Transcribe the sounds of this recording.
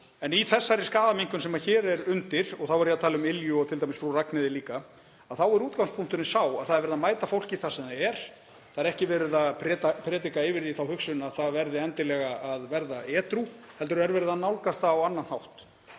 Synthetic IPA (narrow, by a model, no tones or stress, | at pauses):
ɛniθɛsːaɾɪskaːðamiŋkʏnsɛmaçɛːɾɛɾʏnt̪ɪɾ̥ɔɣθawɛɾjat̪ʰaːlɪʏmɪljʏɔt̪ʰɪlt̪ajmɪsfɾuraknɪðɪliːka | aðθawɛɾuːt̪kawnspʰuŋ̥t̪ʏnɪsaːwaðθaðɛɾvɛɾɪðamaːjt̪afowl̥cɪθḁsɛmðaɛɾ̥ | θaðɛɾɛhcɪvɛːɾɪðapʰɾɛːt̪apʰɾɛːt̪̬ikaɪvɪɾðiθawhʏksʏnaðθaðvɛɾðɪɛnt̪ɪlɛɣaaðvɛɾðaɛːt̪ɾu | hɛlt̪ʏɾʏɛɾvɛːɾɪðanawlkast̪aːwanːanhawht̪